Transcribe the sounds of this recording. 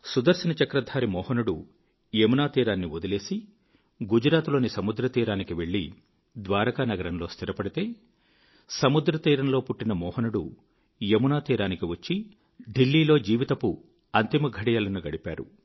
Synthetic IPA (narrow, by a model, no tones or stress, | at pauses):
sud̪ɐɾsɐnɐt͡ʃɐkɾɐd̪ʱaːɾimɔːhɐnuɽu | emunaːt̪iːɾaːnːiod̪ɐle̞ːsi | ɡud͡ʒɾaːt̪lo̞ːnisɐmud̪ɾɐt̪iːɾaːnikiʋe̞ɭːi | d̪ʋaːɾɐkaːnɐɡɐɾɐnlo̞ːst̪ʰiɾɐpɐɽit̪e̞ː | sɐmud̪ɾɐt̪iːɾɐnloːpuʈːinɐmɔːhɐnuɽu | jemunaːt̪iːɾaːnikiʋɐt͡ʃːi | ɖilːiːlo̞ːd͡ʒiːʋit̪ɐpu | ɐnt̪imɐɡʱɐɽijaːlɐnuɡɐɽipa̰ːɾṵ